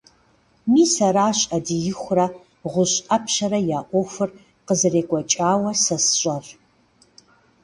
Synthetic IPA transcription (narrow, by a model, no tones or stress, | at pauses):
miːsɐɾaːɕʼɐdijɪxʷrɐ | ʁʷʊɕʼɐpʰʃɐɾɐjaːʔʷʼɔxʷɨr | qəzɨreːkʷʼɐt͡ʃʼaːwɐsɐsɕʷʼɐr